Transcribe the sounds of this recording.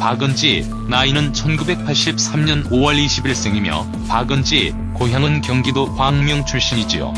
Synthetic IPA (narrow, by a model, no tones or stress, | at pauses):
paɡɯnd͡ʑ͈i | nainɯnt͡ɕʰʌnɡube̞k̚pʰaɭɕ͈ip̚s͈ʰamɲʌnowʌɭiɕʰibiɭs͈e̞ŋimjʌ̰ | paɡɯnd͡ʑ͈i | koɦjaŋɯnkjʌŋɡidokwaŋmjʌŋt͡ɕʰuɭɕ͈iɲid͡ʑio̰